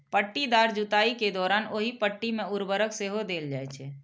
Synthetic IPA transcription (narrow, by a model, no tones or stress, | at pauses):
pəʈːid̪aːɾd͡ʒʊt̪aːiked̪ɔːɾaːnoːɦipəʈːimẽʊɾbəɾəkseɦod̪eːld͡ʒaːɛt͡ʃʰɛː